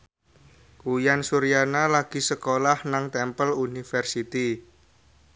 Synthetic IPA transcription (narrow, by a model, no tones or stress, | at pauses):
kujansuɾijanalaɡ̥i̤səkolahnaŋt̪ɛmpəlunifɛrsit̪i